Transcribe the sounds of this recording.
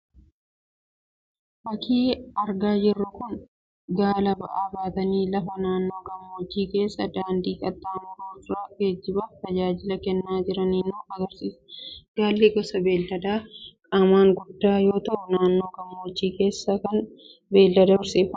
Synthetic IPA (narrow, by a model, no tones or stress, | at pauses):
bɐkʰiːɐɾɡaːd͡ʒɪrːʊkʊn | ɡaːlɐbɐ̰ʔaːbaːt̪ɐniːlɐfɐnaːnːo̞ːɡɐmːoːd͡ʒːiːke̞ːsːɐd̪aːnd̪iːkʼɐt̪ːaːnuːtɾaːɡeːd͡ʒːɪbɐt̪ɐd͡ʒaːd͡ʒɪlɐkɛnːaːd͡ʒɪɾɐniːnuːɐɡɐɾsiːsɡ̥aːlːiɡɔsɐbe̞ːld̪ɐd̪aːkʼaːmaːŋɡʊdːaːjo̞ːt̪ɐʔʊnaːnːo̞ːɡɐmːoːd͡ʒːiːke̞ːsːɐkɐn | be̞ːld̪ɐd̪ɐɪɾsiːfɐ